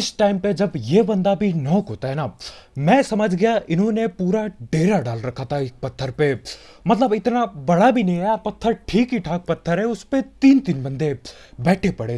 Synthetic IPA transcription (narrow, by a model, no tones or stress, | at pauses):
ɪsʈaːɪmped͡ʒɐbjeːbɐ̃nd̪abʱinɔːkɦoːt̪aɦɛna | mɛ̃ːsɐməd͡ʒʱɡɐjaʔɪnɦõnepuːɾaɖeːɾaɖaːlɾɐkʰat̪ʰaɪk̚pɐt̪ʰːəɾpe | mɐt̪ləbɪt̪nabɐɽabʱinẽapɐt̪ʰːəɾʈʰiːkɦiʈʰaːk̚pɐt̪ʰːəɾɦɛʊspet̪iːnt̪ɪnbɐ̃nd̪e | bɛːʈʰepɐɽe